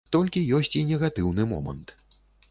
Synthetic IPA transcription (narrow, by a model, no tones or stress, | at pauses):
t̪ɔlʲkʲijɔsʲt͡sʲinʲɛɣat̪ɨwnɨmɔ̰mɐ̰nt̪